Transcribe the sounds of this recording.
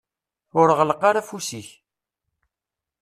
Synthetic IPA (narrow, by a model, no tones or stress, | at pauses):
ʊɾəʁələqːaɾafusiç